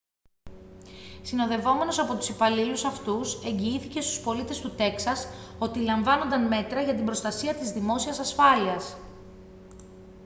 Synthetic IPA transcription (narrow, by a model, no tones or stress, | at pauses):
sino̞ðe̞vo̞me̞no̞sɐpo̞t̪u̥sipɐlilusɐft̪use̞ɲɟiiθice̞st̪u̥spo̞lit̪e̞st̪ut̪e̞ksɐso̞t̪ilɐɱvɐno̞nd̪ɐnme̞t̪ɾɐʝɐt̪imbɾo̞st̪ɐsiɐt̪izðimo̞siɐsɐsfɐliɐs